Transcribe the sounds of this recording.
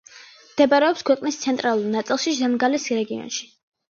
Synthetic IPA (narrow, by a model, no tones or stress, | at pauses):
md̪̥ɛbaɾɛɔpskʰwɛqʼnist̪sʰɛnt̪ʼɾalˠuɾnat̪sʼilˠʃizɛmɡalɛsɾɛɡiɔ̰nʃi̥